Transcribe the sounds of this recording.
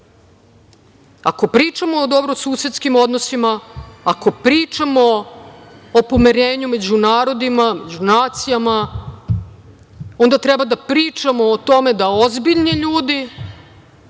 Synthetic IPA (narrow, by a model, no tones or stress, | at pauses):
a̰ko̞pɾiːt͡ʃamo̞ːd̪o̞bɾosuːsjet̪skimo̞d̪nosimaako̞pɾiːt͡ʃamo̞ː | po̞miɾeːɲume̞d͡ʑunaːɾo̞d̪imame̞d͡ʑunaːt̪sijama | o̞nd̪at̪ɾɛbad̪apɾiːt͡ʃamo̞ːt̪o̞me̞d̪aozbiʎniʎuːd̪i